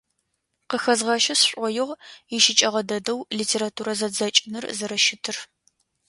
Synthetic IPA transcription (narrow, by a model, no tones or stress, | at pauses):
qəxɐzʁɐʃɐsɕʷʼɔjɪʁɪʃɪt͡ʃʼɐʁɐdɐdɐwliːtʰeːɾatʰuːɾɐzɐd͡zɐt͡ʃʼɪnɨrzɐɾɐʃɪtʰɨr